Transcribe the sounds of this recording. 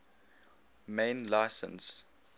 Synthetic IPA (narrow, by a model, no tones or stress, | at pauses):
mẽɪnlaɪsə̰̃ns